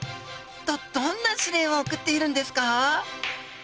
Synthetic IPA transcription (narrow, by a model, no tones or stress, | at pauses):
t̪od̪̥õnːaɕiɾẽ̞ɰ̃ookɯ̟t̪ːe̞iɾɯ̟̃nd̪e̞sɨ̥ka